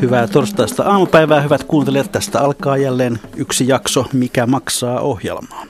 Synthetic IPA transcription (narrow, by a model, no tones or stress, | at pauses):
hyʋæːt̪orst̪ɑist̪ɑ̰ɑːmupæiʋæːhyʋæt̪kuːnt̪eleːt̪t̪æst̪æɑlkɑːjælːeːnyksijɑksomikæmɑksɑːʔohjḛlmɑː